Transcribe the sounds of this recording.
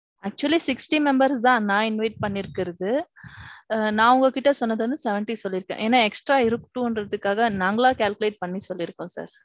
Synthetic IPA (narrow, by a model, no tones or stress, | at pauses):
ɐk̚t͡ʃʊɐlisɪksʈimɛmbɐɾsd̪ãːnãːɪnʋɐɪʈ̚pɐɳːɪɾɯkːɪɾɐðɯ | nãːʊŋɡɐkɪʈːɐsɔnːɐðɯɐnd̪ɯsɛʋɛɳʈisɔlːɪɾɯkːḛ̃ʔeːnaːɛksʈɾaːɪɾɯkʈːũɔndrɐðɯkːaːɣɐnaːŋɡɐɭãːkaːlkɯleːʈ̚pɐɳːisɔlːɪɾɯkːʊ̃ːsa̰ːɾ